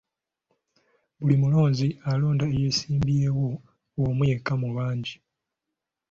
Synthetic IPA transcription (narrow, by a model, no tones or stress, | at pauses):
βulimulo̞ːɲzialo̞ːndaejesiːmbieːwo | womujekːamuβaːɲɟi